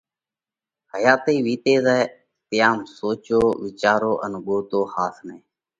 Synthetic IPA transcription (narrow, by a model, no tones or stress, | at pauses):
həjaːt̪eːʋiːt̪eːzɛː | t̪ɪjaːmsoːt͡ʃoːʋɪt͡ʃaːɾoːʔə̰nɠoːt̪oːhaːsmẽː